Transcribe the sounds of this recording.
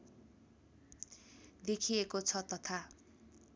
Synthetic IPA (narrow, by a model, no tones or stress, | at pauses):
d̪ekʰiekot͡sʰʌt̪ʌt̪ʰa